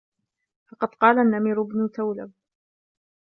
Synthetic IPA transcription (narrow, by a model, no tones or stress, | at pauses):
fɑqɑd̪qɑːlanːamɪɾʊbnʊt̪awlab̚